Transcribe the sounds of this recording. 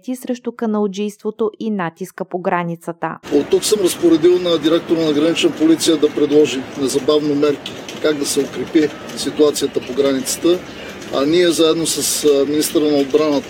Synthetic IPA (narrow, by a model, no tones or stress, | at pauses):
t̪isɾɛʃt̪ʊkənɐlˠd͡ʒijst̪vot̪oʔinat̪iskəpoɡɾanit̪sət̪ə̰ot̪ːuksəmɾɐspoɾɛd̪ilˠnɐd̪iɾɛk̚t̪oɾənɐɡɾɐnit͡ʃnəpolit̪sijəd̪ɐpɾɛd̪lˠɔʒinɛzɐbavnomɛɾki̥ | kaɡ̚d̪ɐsɛokɾɛpi | sit̪uat̪sijət̪əpoɡɾanit̪sə̥t̪ə | ɐ̰niɛzaɛd̪nosəsminist̪əɾənɐod̪̚bɾanət̪ə̥